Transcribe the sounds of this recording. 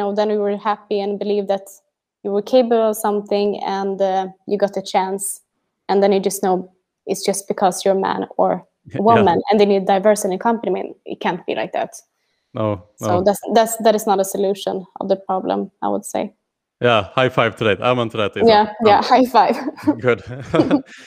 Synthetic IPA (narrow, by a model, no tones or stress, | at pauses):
noʊðə̃nwiwə˞hæpiɨ̃nbɨlivðɨt | jɨwə˞kʰeɪbəbl̩ˠʌv̥sʌ̃mθɪ̃ŋɨ̰̃njɨɡɑt̪ɨt͡ʃʰæ̃ns | ɨ̃nðɨ̃njɨd͡ʒʌstnoʊ | ɪtsd̥ʒ̥ʌst̚b̥ɨkʰʌzjə˞mæ̰̃nə̰˞ | wʊmə̃nɨ̰̃nðeɪniddaɪvɜ˞sɨ̃nɨ̃nkʰʌ̃mpənimḭ̃nɪ̰t̚kʰæ̃ntb̥ḭla̰ɪk̚ðæ̰t | noʊsoʊðæðætsðæɾɨznəɾəsɨlʉʃə̃nʌ̰vðəpʰɹ̥ɑblə̰̃maɪwə̰d̥seɪ | jæhaɪfaɪv̥t̪ʰɨdaɪt̪ʰa̰mə̃nt̪ʰədat̪jæjæhaɪfaɪvɡʊd